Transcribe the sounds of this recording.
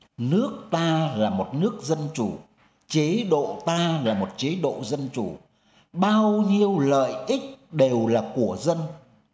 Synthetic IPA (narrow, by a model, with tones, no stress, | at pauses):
nɨ˦˥ək̚t̪aː˧laː˨˩mo˨˩t̚nɨ˦˥ək̚zə˧nt͡ɕu˧˩ | t͡ɕe˨˦ɗo̰˧˨t̪aː˧laː˨˩mo˨˩t̚t͡ɕe˨˦ɗo̰˧˨zə˧nt͡ɕu˧˩ | ɓaː˧wɲi˧əwlə̰ː˧˨jʔi˦˥k̚ɗe˨˩wlaː˨˩ku˧˩əzə˧n